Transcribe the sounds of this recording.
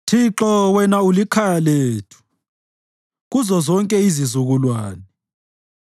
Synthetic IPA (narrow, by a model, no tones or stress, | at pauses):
tʰiǁɔwɛnaulikʰajaleːtʰu̥ | ɣuzɔzɔŋkʼɛizizuɣulwaːnɛɛ